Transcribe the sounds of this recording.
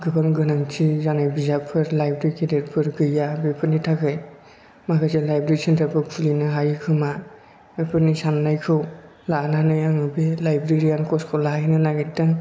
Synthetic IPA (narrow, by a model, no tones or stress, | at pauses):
ɡɯbaŋɡɯnaŋtʰizanajbizapʰɯɾlajbɾikʰedet̚pʰɯɾɡɯjabepʰɯɾnitʰaɡɯj | makaselajbɾeɾisentʰapʰɯkʰulinɯɦajkʰɯma | bepʰɯɾnisanːajkʰɯw | lananɯjaŋɯbelajbɾeɾijankʰɔskʰɔwlajnɯlaɡidaŋ